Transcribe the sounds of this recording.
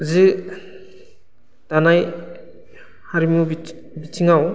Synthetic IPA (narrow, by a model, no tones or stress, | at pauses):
zɯ | tanaj | haɾimub | bit͡ʃʰiŋaw